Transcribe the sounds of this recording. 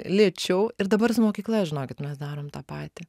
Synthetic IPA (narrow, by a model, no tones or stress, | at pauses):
lʲeːt͡ʃʲɛʊɪɾd̪ɐbɐɾsʊmoːkʲiːklˠɐʒʲɪnoːkʲɪt̪mʲɛsd̪ɑːɾoːmt̪ɑːpɑːt̪ʲɪ